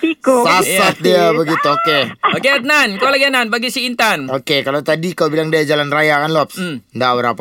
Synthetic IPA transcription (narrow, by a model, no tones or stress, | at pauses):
ikusalasat̪̚diabəɡit̪uokeokeat̪̚nankalaɡiananbaɡisiint̪anokekalot̪adikaubilaŋdiad͡ʒalanrajakanlɔp̚sndabəɾapa